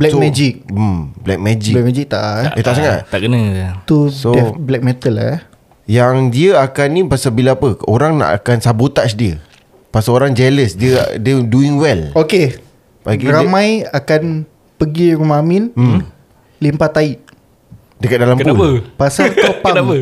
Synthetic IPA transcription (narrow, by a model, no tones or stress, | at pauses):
blɛksomɛd͡ʒik̚mblɛk̚mɛd͡ʒiɛk̚mɛd͡ʒik̚t̪a̰ʔət̪aʔsaŋat̪̚aʔkənə̃at̪usoɛblɛk̚mɛt̪əla̰ | jaŋdiəakanĩpasabilaapəoɾaŋna̰ʔa̰kansabot̪aʔs̬diə | pasaoɾaŋd͡ʒɛləsdiə̰diəduiŋwɛloke | baɡiɾamãjakan | pəɡiɾumamin̩ | limpat̪ait̚ | dəkat̪̚dalampnauləpasat̪opanapə